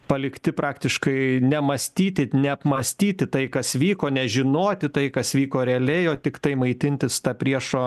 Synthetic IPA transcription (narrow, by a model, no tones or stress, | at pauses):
pɐlʲɪkt̪ʲɪpɾɑːkt̪ʲɪʃkɐɪnʲɛmɐsʲt̪ʲiːt̪ʲɪnʲɛɐpmɐsʲt̪ʲiːt̪ʲɪt̪ɐɪkɐsʋʲiːkoːnʲɛʒʲɪnoːt̪ʲɪt̪ɐɪkɐsʋʲiːkoːɾʲɛɐlʲɛɪoːt̪ʲɪkt̪ɐɪmɐɪt̪ʲɪnʲt̪ʲɪst̪ɑpʲɾʲiɛʃoː